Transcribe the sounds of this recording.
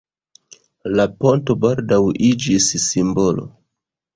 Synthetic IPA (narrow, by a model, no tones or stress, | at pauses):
lapo̞nto̞baldawʔid͡ʒisːimbo̞lo̞̰